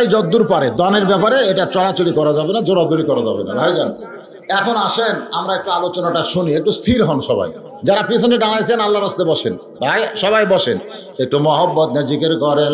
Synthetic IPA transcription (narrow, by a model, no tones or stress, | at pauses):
jd͡ʑɔd̪ːuɾpaɾed̪aneɾbɛpaɾeeʈat͡ɕɔlat͡ɕoɽikɔɾad͡ʑabenad͡ʑoɽad̪oɽikɔɾad͡ʑabena̰bʱajd͡ʑan | ɛkʰonaʃenamɾaek̚ʈualot͡ɕonaʈaʃuniek̚ʈust̪ʰiɾɦɔnʃɔba̰j | d͡ʑaɾapit̪ʰoneɖanajt̪ʰenalːaɾɔst̪ebɔʃen | bʱajʃɔbajbɔʃen | ek̚ʈumɔɦɔbːɔt̪ɲad͡ʑikeɾkɔɾen